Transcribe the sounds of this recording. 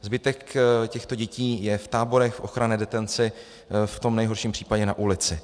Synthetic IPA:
zbɪt̪ɛkcɛxt̪o̞ɟɛciːjɛft̪aːbo̞ɾɛxfʔo̞xɾanɛːdɛt̪ɛnt͡sɪ | ft̪o̞mnɛjɦo̞ɾʃiːmpr̥iːpaɟɛnaʔulɪt͡sɪ

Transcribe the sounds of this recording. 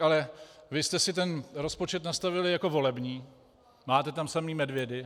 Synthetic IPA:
alɛvɪst̪ɛsɪt̪ɛnɾo̞spo̞t͡ʃɛt̪nast̪avɪlɪjako̞vo̞lɛbɲiː | maːt̪ɛt̪amsamiːmɛdvjɛdɪ

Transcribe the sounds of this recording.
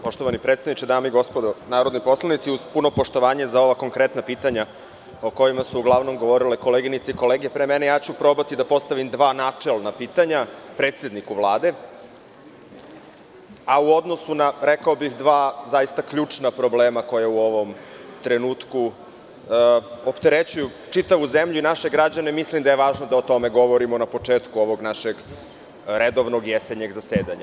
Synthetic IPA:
po̞ʃt̪o̞ʋanipɾet̪st̪aʋnit͡ʃed̪aːmeiɡo̞spod̪onaːɾod̪nipo̞slˠanit̪siuzpuno̞po̞ʃt̪o̞ʋaːɲezao̞ʋako̞ŋkɾet̪napiːt̪aɲa | o̞ko̞jimasuːɡlˠaʋno̞mɡo̞ʋo̞ɾileko̞leɡinit̪seiko̞leːɡiepɾemenejaːt͡ɕupɾo̞bat̪id̪apo̞st̪aʋimd̪ʋaːnaːt͡ʂelanapiːt̪aɲapɾeːt̪sjed̪nikuʋlˠaːd̪e̞ | auo̞d̪nosunaɾekaobixd̪ʋaːzajist̪akʎuːt͡ʂnapɾobleːmakojeuoʋo̞m | t̪ɾenuːt̪ku | opt̪eɾet͡ɕuju | t͡ʂit̪aʋuzemʎuinaʃeɡɾad͡ʑanemislimd̪ajeʋaːʒnod̪aot̪o̞meɡo̞ʋoɾimonapo̞t͡ʂeːt̪kuoʋoɡnaʃeɡ | ɾed̪oʋnoɡjeseɲeɡzaseːd̪aɲa

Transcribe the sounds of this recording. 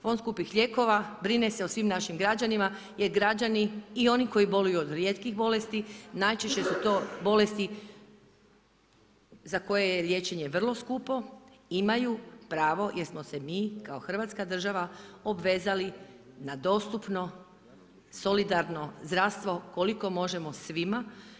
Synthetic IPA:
fo̞nskupixʎʲe̞ko̞ʋabɾine̞seosʋimnaʃimɡɾad͡ʑanima | je̞ɾɡɾad͡ʑaniːo̞niko̞jibo̞lujuod̪ɾje̞ːt̪kixbo̞le̞st̪inajt͡ʃeʃt͡ɕe̞sut̪o̞ːbo̞le̞st̪i | zako̞jejelje̞ːt͡ɕe̞ɲe̞ʋr̩lˠo̞skuːpo̞ | imajupɾaːʋo̞jeɾsmose̞miːkaoxr̩ʋat̪skad̪r̩ʒaʋaobʋe̞ːzali | nad̪o̞st̪upno | so̞lid̪aɾno̞zd̪ɾaʋst̪ʋo̞koliko̞mo̞ʒemo̞sʋima

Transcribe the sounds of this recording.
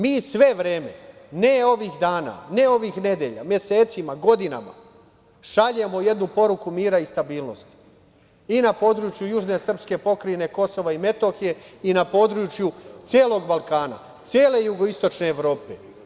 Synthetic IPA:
miːsʋe̞ʋɾeːme̞̰ne̞o̞ʋixd̪aːna̰ːne̞o̞ʋixne̞d̪jeʎa̰mje̞seːt̪simaɡo̞d̪ina̰ma̰ | ʃaʎe̞mo̞je̞d̪nupo̞ɾukumiːɾaist̪abiːlno̞̰st̪i̥ | inapo̞ːd̪ɾut͡ʃjujuʒne̞sr̩pske̞po̞kɾine̞ko̞so̞ʋaime̞t̪o̞xije̞inapo̞ːd̪ɾut͡ʃjut̪sjeːlo̞ɡbalˠkaːna̰ | t̪sjeːle̞juɡo̞ist̪o̞t͡ʃne̞ːʋɾo̞ːpe̞

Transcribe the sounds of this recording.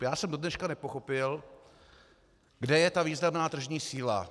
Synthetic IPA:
jaːsɛmdo̞dnɛʃkanɛpo̞xo̞pɪl | ɡdɛjɛt̪aviːznamnaːt̪r̩ʒɲiːsiːla̰

